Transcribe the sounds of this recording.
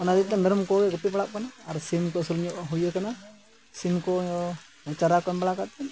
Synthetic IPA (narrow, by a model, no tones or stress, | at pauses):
ɔnad̪it̪̚t̪ɛmɛɾɔmkɔɡɛɡɔpipaɽap̚kanaːɾsimkɔsulɲɔʔɦujəkana | simkɔɔ | ɔt͡ʃaɾakɔmbaɽakat̪ɛ